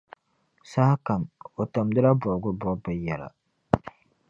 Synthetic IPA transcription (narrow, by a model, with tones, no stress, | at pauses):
sa˦ka˨mo˨ta˨mdɨ˦la˦bʊ˨ʔɡʊ˦bɔ˦bɨ˨jɛ˨la̰˨